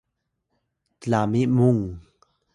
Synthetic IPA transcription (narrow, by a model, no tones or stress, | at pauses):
t̪əlamimuŋ